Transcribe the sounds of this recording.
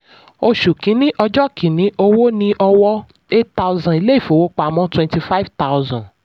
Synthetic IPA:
o˧ʃu˨kĩ˨˦nĩ˦ʔɔ˧d͡ʒɔ˦kʰĩ˨˦nĩ˨˦ʔo˧wo˦nĩ˧ʔɔ˧wɔ˦ | e˦tta˧wzã˨i˨˧le˦i˦˨fo˨wo˦k͡pa˨mɔ̃˦twɛ̃˧nti˧fa˦i˦vta˦wzã˨

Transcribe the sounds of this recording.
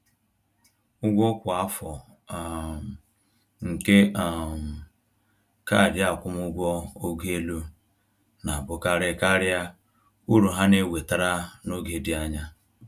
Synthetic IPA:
ʊ˦ɡʷo˦kʷa˦fɔ˨ | ŋ̩˨ke˦a˨m˨ | ka˦˨dɪ˦a˨kʷʊ˦m˦ʊ˦ɡʷɔ˦o˦ɡe˦lu˦ | na˨bʊ˦ka˦ɾɪ˦˨ka˦ɾja˦ | u˦ɾu˨ɦa˦ne˦˨we˨ta˦ɾa˦no˦ɡe˦di˦a˦ɲa˦

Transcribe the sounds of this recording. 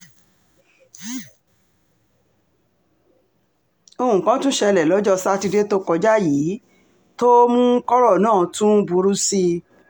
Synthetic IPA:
o˧hũ˨kã˨˦tũ˦ʃɛ˧˨lɛ˨lɔ˨˦d͡ʒɔ˦˧sa˦ti˧de˦to˦kɔ˧d͡ʒa˦jiː˨˦ | to˦mũ˦kɔ˦ɾɔ˦˨nãː˦˨tũ˦bu˧ɾu˦si˧

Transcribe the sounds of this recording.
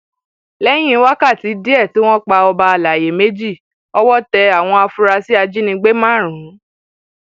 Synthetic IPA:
lɛ˦j̃ĩ˦wa˦ka˦˨ti˨˦di˦ɛ˦˨tu˦w̃ɔ̃˦k͡pa˧ɔ˧ba˧a˨la˨je˨me˦d͡ʒi˦˨ | ɔ˦wɔ˦tɛ˧a˨w̃ɔ̃˧a˧fu˧ɾa˧si˦a˧d͡ʒi˦nĩ˧ɡ͡be˦mã˦˨ɾ̃ũ˨˦

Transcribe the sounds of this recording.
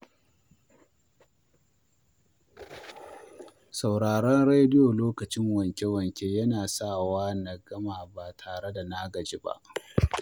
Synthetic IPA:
sa˨wɽaː˨ɽɔ˦nɽe˦jdɪ˦jo˨loː˦kɐ˨t͡ʃɪ˦ŋwɐ˨ŋkʲe˦wɐ˨ŋkʲeː˦jɐ˦naː˨sa˦˨waː˦nɐ˨ɡɐ˦maː˨baː˨tʰaː˨ɽe˦da˨na˦ɡɐ˨d͡ʒi˦ba̰˦ʔ

